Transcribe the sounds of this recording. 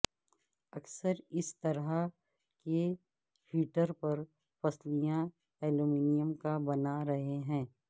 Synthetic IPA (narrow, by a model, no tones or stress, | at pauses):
ɐksəɾɪst̪ɐɾa | ke | hiːʈəɾpɐɾ | pɐslijã | ɛːlumiːnijəmkabɐnaɾɐɦeɦɛ̃ː